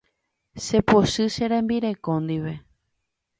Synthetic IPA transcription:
ʃepoʃɨʃeɾẽmbiɾekõnd̪iʋe̞

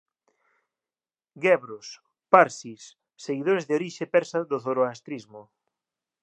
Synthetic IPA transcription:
ɡɛβɾos | paɾsisː | eɣiðoɾezðeoɾiʃepɛɾsaðʊθoɾoast̪ɾizmʊ

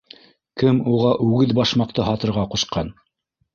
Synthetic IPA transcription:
kɘmuʁɑʔʉɡɘðbɑʃmɑq̚t̪ɤɦɑt̪ɤ̆ɾʁɑqŭʃqɑn

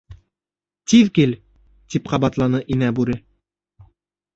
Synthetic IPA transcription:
t̪iðkil | t̪ipqɑbɑt̪lˠɑnɤʔinæbʉɾɘ

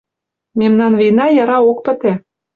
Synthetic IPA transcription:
memnɑnvinɑjɑɾɑok̚pə̆t̪ĕ

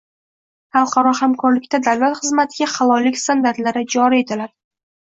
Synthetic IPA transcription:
χɑlˠqʰɑɾɒhamkʰɒɾlɪkʲt̪ad̪awlat̪χɨzmat̪ʰɪɡʲaχɑlˠɒlːɪkʲst̪and̪aɾt̪laɾɪd͡ʒɒɾie̞t̪ʰɪlaɾ

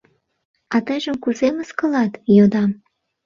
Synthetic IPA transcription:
ɑt̪əjʒəmkuzeməskəlɑt̪jod̪ɑm

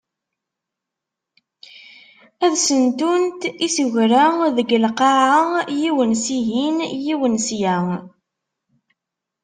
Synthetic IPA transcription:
æðsənt̪unt̪isəʝɾæðəɡəlqɑʕajiwənsiɦinjiwənsjæ

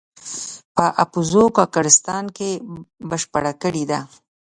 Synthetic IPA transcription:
pəʔapuzokɑkaɾɪst̪ɑnkebəʃpəɽakəɽid̪a

